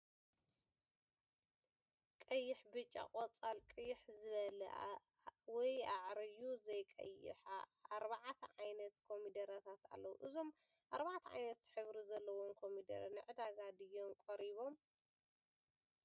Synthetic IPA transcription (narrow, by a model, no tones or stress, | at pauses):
kʼɐjːɪħbɨt͡ʃʼːa̰qʼɐt͡sʼalkʼɨjːɪħzɨβɐlɐ̰ | wɔjaʕɾɨjuzɐjkʼɐ̰jːɪ̰ħa̰aɾbaʕat̪ʰɐʕajnɐt̪kʰo̞mid̪ɐɾat̪ʰat̪a̰lːɐwṵʔɨzo̞m | ʔaɾbaʕat̪ʰɐʕa̰jnɐt̪ħɨβɾizɐlːɐwonkʰo̞mid̪ɐ̰ɾnɨʕɨd̪aɡad̪ɨjo̞nkʼoɾiβo̞m